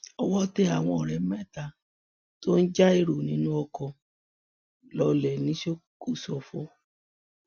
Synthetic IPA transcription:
ɔ˧wɔ˦te˦a˨w̃ɔ̃˧ɔ˨ɾɛ˨˦mɛ˦˨ta˧ | to˦n̩˦d͡ʒa˦e˦˨ɾo˨nĩ˨˦nũ˦ɔ˧kɔ̃˧ | lɔ˧lɛ˨nĩ˨˦ʃe˦ko˦˨sɔ˨fo˧˦

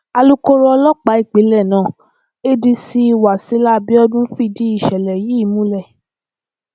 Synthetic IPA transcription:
a˧lu˦ko˦ɾɔ˦ɔ˧lɔ˦k͡pa˨˦i˦˨k͡pe˨˦lɛ˦˨nãː˦˨ | e˦di˧si˧˦˧wa˨si˨˧˦la˦bi˦ɔ˦dũ˦fi˦˧˨di˦i˦˨ʃɛ˨lɛ˨ji˨˦˨mũ˦lɛ˦˨

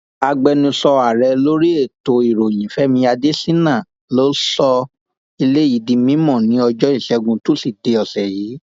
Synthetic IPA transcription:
a˧ɡ͡bɛ˧nũ˧sɔ˧a˨ɾɛ˨˧lo˦ɾi˦e˦˨to˧i˨ɾo˨j̃ĩ˨fɛ˨˦mĩ˧ja˧de˦sĩ˦nã˦˨ | lo˨˦sɔ˧ | i˧le˦ji˨˦dĩ˧mĩ˦mɔ̃˦˨nĩ˨˦ɔ˧d͡ʒɔ˦i˦˨ʃɛ˨˧ɡũ˧tu˦si˦˨de˧ɔ˨sɛ˨jiː˨˦

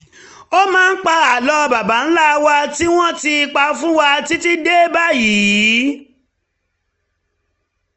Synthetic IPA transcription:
o˦mãː˦n̩˦k͡pa˧a˨lɔ˧ba˨ba˨˦n̩˦la˦˨˧wa˧ti˦w̃ɔ̃˦ti˧i˧k͡pa˧˦fũ˦wa˧ti˦ti˦de˦ba˦ji˨˦

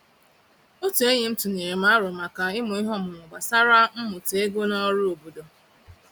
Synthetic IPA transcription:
o˦tu˨e˦ɲe˨n̩˦tu˨ne˨ɾe˨m̩a˦ɾʊ˨ma˨ka˨ɪ˦mʊ˨ɪ˦ɦɔ˦mʊ˨mʊ˨ɡ͡ba˨sa˦ɾa˦m̩˦mʊ˨te˦ɡo˦nɔ˦ɾʊ˦o˨bo˨do˨

